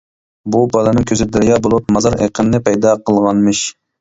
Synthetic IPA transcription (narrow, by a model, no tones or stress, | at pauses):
bubɑlˠɨnɨŋkʲʰøzɪd̪æɾjɑbolˠup̚mɑzɑɾḛqʰənlɪpʰɛjd̪ɑqʰəlˠʁɑnmɨʃ